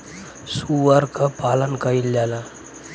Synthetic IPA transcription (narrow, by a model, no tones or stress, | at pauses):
suʋaɾkapalɐnkəjilːjala